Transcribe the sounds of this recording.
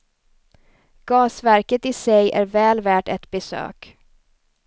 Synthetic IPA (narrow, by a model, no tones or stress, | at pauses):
ɡ̥ɑːsvæɾkət̪ɪsɛjæ̰ɾvɛːlvæːʈɛt̪bɛsø̰ːk